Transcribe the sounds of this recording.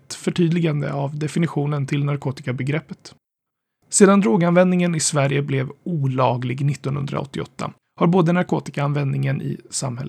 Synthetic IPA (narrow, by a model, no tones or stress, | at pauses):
t̪fœʈʰyːd̪lɪɡand̪ə̰avd̪ɛfɪnɪɧuːnənt̪ʰɪlnaɾkʰoːt̪ɪkabɛɡɾɛpːə̥t̪ | seːd̪and̪ɾoːɡanvɛnd̪nɪŋənɪsvæɾjəblɛvuːlɑːɡlɪɡnɪt̪ːɔnhɵ̰nd̪ɾa̰ɔ̰t̪ːɪɔ̰t̪ʰːa̰ | haɾboːd̪ənaɾkoːt̪ɪkaanvɛnd̪nɪŋənʔɪ̰sa̰mhɦɛlː